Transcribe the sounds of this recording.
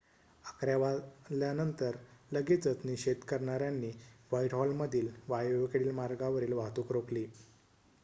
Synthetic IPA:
akɾjaʋaljanənt̪əɾləɡit͡sət͡sniɕed̪kəɾɳaɾjanːiːʋaiʈɦɔlməd̪ʱiːlʋajeʋkəɽiːlmaɾɡaʋəɾiːlʋaɦt̪uːkɾokliː

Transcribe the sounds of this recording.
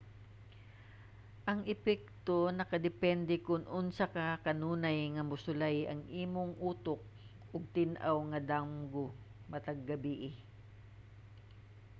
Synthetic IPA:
ʔɐŋɛpɛk̚t̪onɐkɐd̪ɛpɛnd̪ɛkʊnʔʊnsakakɐnuːnajŋɐmʊsʊlajɐ̰ŋʔiːmoŋʔuːt̪ok̚ | ʔʊɡ̚t̪ɪnʔawŋɐd̪amɡo | mɐt̪ɐɡːɐbiʔɪ

